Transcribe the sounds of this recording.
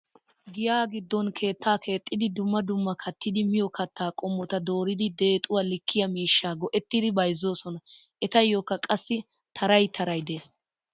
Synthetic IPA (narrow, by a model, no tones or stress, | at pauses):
ɡɪjaːɡɪd̪ːɔnkʰe̞ːt̪ːaːkʰe̞ːt̪ʼːɪd̪ɪd̪ʊmːɐd̪ʊmːɐkʰɐt̪ʰːɪd̪ɪmɪjɔkɐt̪ːaːkʼɔmːɔt̪ɐd̪o̞ːɾɪd̪ɪd̪e̞ːt̪ʼʊwalɪkʰːɪjɐmiːʃːaːɡɔʔɛt̪ːɪd̪ɪbɐjzːo̞ːsɔnɐ | ʔɛt̪ɐjːoːkːɐkʼɐsːɪ | t̪ʰɐɾɐjt̪ʰɐɾɐjd̪e̞ːs